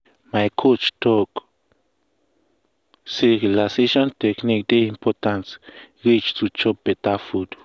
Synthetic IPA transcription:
maekʰuʔt͡ʃt̪ok | siɡlasiʃont̪eknik̚d̪eimpoɾt̪ansɡit͡ʃt͡sut͡ʃopet̪afud̪

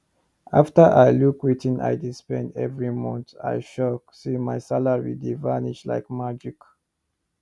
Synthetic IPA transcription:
ʔaftəʔajlukwitĩnʔa̰jdispɛ̃ndɛ̰vɹimɔ̃nta̰jʃɔk̚simajsalaɹḭdivaniʃla̰ɪkmad͡ʒik

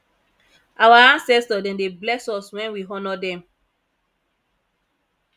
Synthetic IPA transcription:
ʔawaãnsɛstɔdɛ̃ndeblɛsɔswɛ̃nwiɦɔnɔdɛ̃m

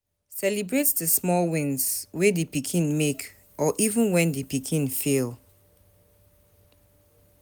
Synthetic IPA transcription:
sɛlibɹetdəsmɔlwĩnswedəpikʰĩnmek | ʔɔʔivə̃nwɛ̃ndəpikʰĩnfil

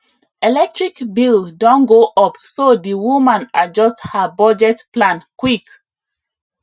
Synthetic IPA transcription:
ɛlɛk̚tɹikbildɔ̃nɡoʔɔpsodiwumãnad͡ʒɔsthəbɔd͡ʒɛtplãnkwik

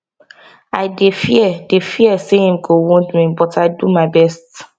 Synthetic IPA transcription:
aɪdefiɛdefiɛsehĩmɡowɔ̃ndmĩbɔtaɪdumaɪbɛst

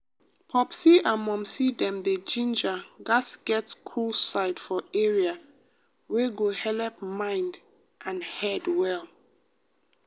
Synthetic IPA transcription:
pʰɔpsiamɔ̃msidɛ̃mded͡ʒĩnd͡ʒaɡasɡ̥ɛtskʰulsaɪdfɔɛɹia | weɡohɛlɛpmãɪ̃nd | ʔãnhɛdwɛlˠ

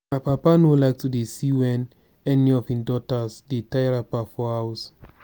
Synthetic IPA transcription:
mapapanolaɪk̚tudesiwɛ̃n | ɛniɔfĩdɔtasdetajɹapafɔhaws

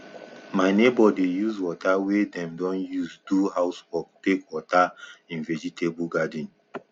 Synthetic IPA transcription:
maɪnebɔdejuzwɔtawedɛ̃mdɔ̃njuzduhaʊswɔk̚tekwɔtaĩnvɛd͡ʒitʰebuɡadĩn

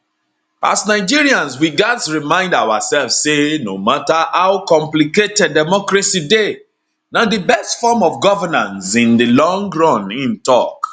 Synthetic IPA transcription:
ʔa̰snaɪd͡ʒiɹiãnswiɡatɹimãɪ̃ndawasɛlfssenomatahaʊkɔ̃mpliketɛddɛmɔkɹaside | nadəbɛstfɔmɔfɡɔvənãnsĩndilɔ̃ŋɡɹɔ̃nĩntɔk

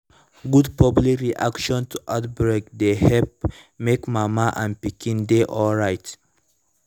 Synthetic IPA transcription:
ɡudpʰɔblikɹiʔa̰kʃɔ̃ntʰuʔaʊtbɹek̚d̪ehɛp̚mekmamaʔãnpikʰĩndeʔɔlɹaɪt

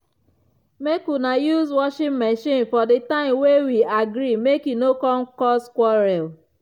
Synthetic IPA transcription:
mekunajuzwɔʃɪ̃mmeʃĩnfɔdetãɪ̃mwewiaɡɾimekinokɔŋ̩kɔskwɔɾɛl

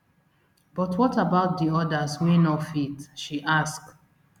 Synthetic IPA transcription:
b̥ɔtwɔtabaʊt̚diɔdaswinɔfitʃiʔask

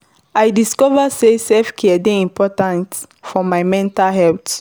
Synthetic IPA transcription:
ajdiskɔvasesɛfkʰɛɛdẽĩmpʰɔtãnt | fɔmaɪmɛ̃ntalɦɛlt

